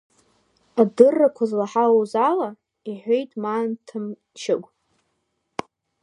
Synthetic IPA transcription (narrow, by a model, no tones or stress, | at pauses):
adɨrːakʷʰazlaħaozala | iħʷejtʼmaːntʰɨm | ʃɪɡʷ